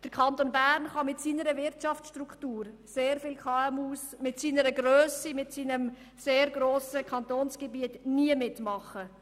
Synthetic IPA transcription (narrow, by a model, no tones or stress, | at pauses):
d̥əɾkʰɑntonbæːɾnχɑmɪtsiːnəɾəvɪɾtʃɑft͡sʃtɾuktuːɾseːɾfɪlkχɑɛmuːsmɪtsiːnəɾəɡɾøːsimɪtsiːnəm | seːɾɡɾoːsəkʰɑntoːnsɡ̥ebiətniəmɪtmɑχə